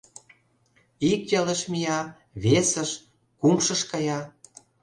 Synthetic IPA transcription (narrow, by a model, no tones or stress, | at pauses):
ikjɤləʃmijɑ | βesəʃ | kumʃə̆ʃkɑjɑ